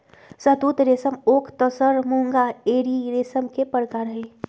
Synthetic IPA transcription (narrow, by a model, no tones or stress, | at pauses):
sət̪ut̪ɾeːsəmoːkʰt̪əsəɾmuŋɡaeːɾiɾeːsəmkepəɾkaːɾɦɛ̃